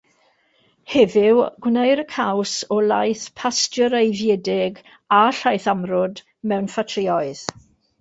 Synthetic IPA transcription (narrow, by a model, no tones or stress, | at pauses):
hɛvɪwɡ̥wnejɾəkʰawsɔlajθpʰasdəɾejvjɛdɪɡ | aɬajθamrʊd | mɛwnfatʰrɪɔɨð̥